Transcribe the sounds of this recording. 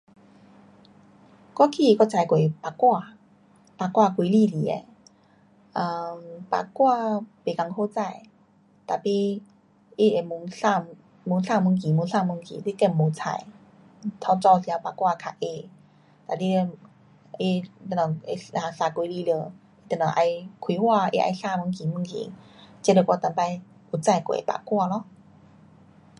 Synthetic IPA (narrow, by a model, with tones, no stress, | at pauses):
kwa˥˦kʰi˧˨˧kɔ˧˩t͡sa˨˧jkwe˨˩pa˨˧kwa˥˧ | pa˨˧˩kwa˥˧˨kʷwi˧˦li˧˨li˨˦ḛ˧˩ | ə˧˩pa̰˨˧˩kwa˥˧pe˨˩ka˧ŋho˧t͡sa˥˧˨j | t̪a˨˩pi˧ | i˧˩e˨˩mu˧˦ŋsa˥˧˨ | mu˧˦ŋsa˥˧˨mu˧˦ŋk̬i˨˩mu˧˦sa˥˧˨mu˧˦ŋkḭ˨li˦˧˦ke˥˧˩mmo˨˧˦t͡sʰa̰˧˩˦j | t̪ʰa˧t͡sɔ˧sja˧˦pa˧˩kwa˧kʰa˧˩ʔe˧ | t̪a˨˩li˧˦e˧ | i˧t̪ə˧nɔ˨˩ŋe˧˩a˧˩saː˧˩kwi˧˦li˧lə˧˩ | i˧t̪ə˧˩nɔ˨˩ŋʔa˧jkʰwi˧˦hwaː˥˧ʔḛ˧ʔa̰˧jsa˧˨mu˧˦ŋki˨˩mu˧˦ŋkḭ˨˦t͡ɕe˧˦lə˧˩kʷwa˧t̪a˧˨mpa˧j | u˨t͡sa˧jko̰˨ḛ˨pa̰˨˩kwa˥˧lɔ˧˦